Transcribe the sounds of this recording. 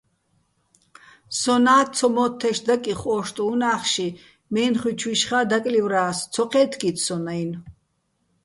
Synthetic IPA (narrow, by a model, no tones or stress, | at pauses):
sɔnaːtt͡sʰɔmɔt̪ʰːɛʃd̪akʼiχɔːʃt̪ʼuːnaːχʃi | mɛːnχwit͡ʃʰwiʃχaːd̪akʼlivɾaːst͡s̪ʰɔqʰɛːt̪ʰkʼit̪ʰsɔnajn